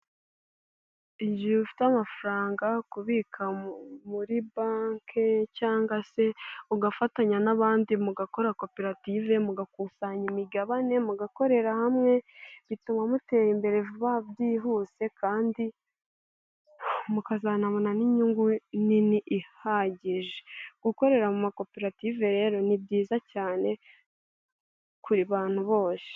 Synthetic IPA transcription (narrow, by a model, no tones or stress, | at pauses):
iɲɟiβifi̥tamafuɾaːŋɡakuβikʰamuɾibaːŋkʰecaːŋɡase̞uɡafataɲanaβaːndimuɡako̞ɾako̞peɾative̞muɡakusaɲimiɡaβane̞muɡako̞ɾe̞ɾahamŋe̞βitumamute̞ːjimbe̞ɾe̞vuβabɟiːɦuse̞kʰaːndi | mukazanaβonaniɲuŋɡuniniʔːhaɟiʒeɡ̥uko̞ɾe̞ɾamumako̞peɾative̞ɾe̞ːɾo̞nibɟiːzacaːne̞ | kuɾiβaːn̥huβo̞ːse̥